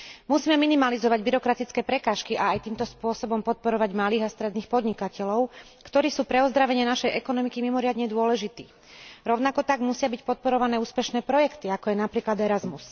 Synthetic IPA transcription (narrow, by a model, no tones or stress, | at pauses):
musiːmɛminimalizɔʋaɟbiɾɔkɾat̪it͡skɛːpɾɛkaːʃkiʔaːjt̪iːmt̪ɔspʊɔsɔbɔmpɔt̪̚pɔɾɔʋaɟmaliːɣast̪ɾɛd̪niːxpɔd̪ɲikacɛlɔʊ | kt̪ɔɾiːsuːpɾɛɔzd̪ɾaʋɛɲɪɛnaʃɛjʔɛkɔnɔmikimimɔɾɪad̪ɲɛd̪ʊɔlɛʒit̪ḭː | ɾɔʊnakɔkt̪aɡmusɪabicpɔt̪̚pɔɾɔʋanɛːuːspɛʃnɛːpɾɔjɛkt̪iakɔjɛnapɾiːklad̪ɛɾazmus